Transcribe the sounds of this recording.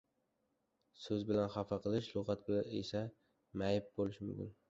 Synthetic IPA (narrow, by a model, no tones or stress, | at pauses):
sɵzbɪlanχɑfɑqʰɨlˠɪʃlʊʁɑt̪̚bɪḛsa | majɪp̚bolɪʃmʊmkʲɪ̰n